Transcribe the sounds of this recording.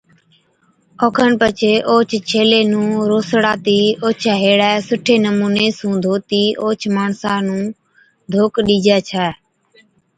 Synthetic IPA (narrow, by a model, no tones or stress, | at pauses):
oːkʰəɳpət͡ʃʰeːʔoːt͡ʃʰt͡ʃʰeːleːnũːɾoːsɽaːt̪iːoːt͡ʃʰɛːɦeːɽɛːsʊʈʰeːnəmuːneːsũːd̪ʱoːt̪iːʔoːt͡ʃʰmaːɳsãːnũː | d̪ʱoːkɗiːd͡ʒɛːt͡ʃʰɛː